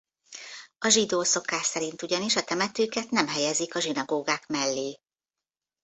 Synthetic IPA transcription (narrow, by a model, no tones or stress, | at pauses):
ɒʒid̪oːso̞kaːʃsɛɾint̪uɟɒniʃɒt̪ɛmɛt̪øːkɛt̪nɛmɦɛjɛzikɒʒinɒɡoːɡaːkmɛlːeː